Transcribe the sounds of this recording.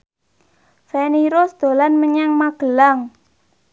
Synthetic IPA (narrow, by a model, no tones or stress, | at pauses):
saniɾʊsd̪̥o̤lanməɲaŋmaɡ̥ə̤laŋ